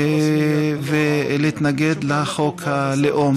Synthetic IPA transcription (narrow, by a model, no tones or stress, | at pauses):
veleit̪naɡed̪leχokhaleʔom